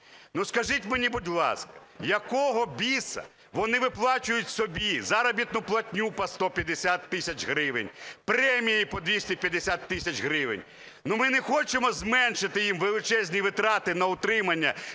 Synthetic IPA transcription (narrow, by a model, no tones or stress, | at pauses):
nuskɐʒɪtʲmenʲibʊdʲlˠɑ̰skɐ̥ | jɐkɔɦɔbʲisɐ̰ | ʋɔnɪʋɪplˠɑt͡ʃʊjʊtʲsɔbʲizaɾɐbʲit̪nʊplˠɐtʲnʲupɐst̪ɔpʲjɐd̪esʲat̪ːɪsʲɐt͡ʃɦɾɪʋɪnʲpɾɛmʲijipɔd̪ʋʲisʲtʲipʲjɐd̪esʲat̪ːɪsʲɐt͡ʃɦɾɪʋɪ̰nʲ | numɪnɛxɔt͡ʃemɔzmɛnʃɪt̪ɪjimʋelˠɪt͡ʃɛzʲnʲiʋɪt̪ɾɑt̪ɪnɐʊt̪ɾɪmɐnʲːɐ